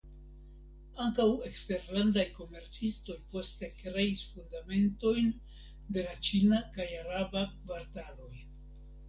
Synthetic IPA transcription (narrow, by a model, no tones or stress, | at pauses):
aŋkawe̞kste̞ɾlandajko̞me̞ɾt͡sisto̞jpo̞ste̞kɾe̞isfundame̞nto̞jn | de̞lat͡ʃinakajaɾabakvaɾtalo̞j